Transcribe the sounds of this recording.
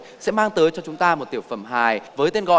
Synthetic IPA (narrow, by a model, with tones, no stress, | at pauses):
sɛ̰˧˥maː˧ŋt̪əː˨˦jt͡ɕɔ˧t͡ɕʊ˨˦ŋ͡mt̪aː˧mo˨˩t̚t̪i˧˩əwfə˨˧˩mɦaː˨˩jvəː˨˦jt̪e˧nɣɔ̰˧˨